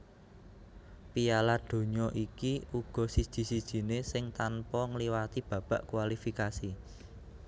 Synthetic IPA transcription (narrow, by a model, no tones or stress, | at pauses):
pijalad̥o̤ɲɔʔikiʔuɡ̥ɔ̤sid̥ʒ̥i̤sid̥ʒ̥i̤nesɪŋt̪anpɔŋliwat̪ib̥ä̤b̥a̤ʔkuwalifikasi